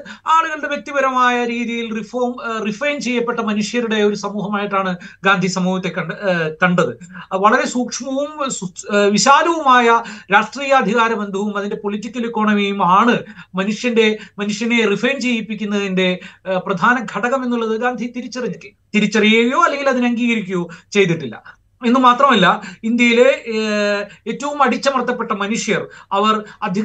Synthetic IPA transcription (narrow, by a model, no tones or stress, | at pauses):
aːɭuɣɐɭɽe̞ʋjek̚t̪ːibɐɾɐmaːjɐɾiːðijilrifoːmrifrɐjnt͡ɕe̞jːɐpːe̞ʈːɐmɐnuʂjɐɾuɽe̞o̞ɾusɐmuːɦɐmaːjiʈːaːɳɨɡaːnd̪ʱisɐmuːɦɐt̪ːekɐkɐɳɖɐðɨʋɐɭɐɾe̞suːkʂmɐʋumsʋiɕaːlɐʋumaːjɐɾaːʂʈriːjɐːd̪ʱiɣaːɾɐmend̪ʱɐʋumɐðinde̞po̞litːikʲːɐlikːo̞ːɳɐmijumaːɳɨmɐnuʂjɐnde̞mɐnuʂjɐne̞rifrent͡ɕe̞ːjipːikʲːunːɐðinde̞prɐd̪ʱaːnɐɡʱɐɽɐɣɐme̞nːuɭːɐðɨɡaːnd̪ʱit̪iɾit͡ɕːɐriɲːitːɨ | t̪iɾit͡ɕːɐrijejoɐlːe̞ŋɡilɐðinɐŋɡiːɣɐɾikʲːujot͡ɕe̞jt̪̬iʈːilːɐ̰ | e̞nːɨmaːt̪rɐmɐlːɐind̪jɐjile̞ | eːtːɐʋumɐɽit͡ɕːɐmɐrt̪ːɐpːe̞ʈːɐmɐnuʂjɐrɐʋɐrɐd̪ʱɐ